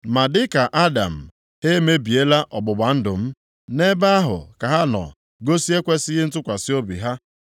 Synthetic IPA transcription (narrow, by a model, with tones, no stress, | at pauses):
ma˨dɪ˦ka˨ʔa˦da̰˨m̩˨ | he˦me˦bi˨e˦la˦ʔɔ˨bʊ˨ɡ͡ba˨n̩˦dʊ˨m̩˦ | ne˦ba˦a˦ɦʊ̰˨ka˨ɦa˦nɔ̰˨ | ɡo˦si˦e˦kʷe˦sɪ˦ɣɪ˦n̩˦tʊ˦kʷa˨sɪ˦o˦bḭ˨ɦa˦